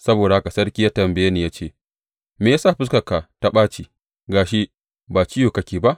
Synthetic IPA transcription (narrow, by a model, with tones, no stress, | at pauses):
sɐ˦boː˨da˨ha˦ka˨sɐ˦rkʲi˦jaː˦tɐ˨mbɐ˨je˦niː˨jaː˦t͡ʃeː˦˨ | meː˨jaː˦saː˦˨ɸɪ˦skɐ˨ka˨ta˦ɓaː˦t͡ʃiː˨ | ɡaː˨ʃi˦ | baː˨t͡ʃɪ˦juː˨kɐ˦kʲiː˨ba˦ʔ